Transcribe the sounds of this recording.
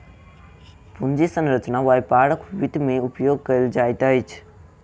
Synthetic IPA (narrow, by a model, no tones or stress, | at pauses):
pund͡ʒisənɾət͡ʃnaʋajpaɽəkʋit̪meupjoɡ̚kəild͡ʒaːjt̪əjt͡ʃʰ